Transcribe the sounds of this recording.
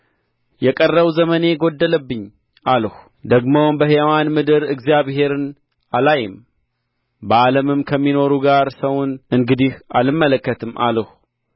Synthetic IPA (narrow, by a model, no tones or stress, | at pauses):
jɛkʼərːəβzəməne̞ɡo̞d̪ːələbːɨɲː | ʔaləh | d̪əɡmobəɦewanmɨd̪ɨɾɨɡzijaβhe̞ɾɨn | alajɪm | bəaləmɨmkʰəmːino̞ɾuɡaɾsəwnɨŋɡɨd̪ihʔalɨmːələkːət̪ʰɨmːʔa̰ləh